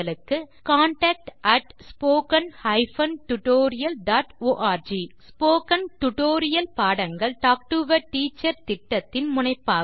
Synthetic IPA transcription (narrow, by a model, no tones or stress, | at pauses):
ɐɭɯkːɯ | kaːɳʈɐːk̚ʈʔɐʈspoːkɐnhɐɪfɐnʈʊʈoːɾɪjɐlɖaːʈoːʔaːɾd͡ʒiːspoːkɐnʈʊʈoːɾɪjɐlpaːɽɐŋɡɐɭʈaːk̚ʈuːʋɐɾʈiːt͡ʃːɐɾt̪ɪʈːɐt̪ːɪnmʊnɐɪpːaː